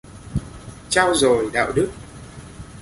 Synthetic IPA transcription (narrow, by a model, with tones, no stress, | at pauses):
t͡ɕaː˧wzo˨˩jɗa̰ː˧˨wɗɨ˦˥k̚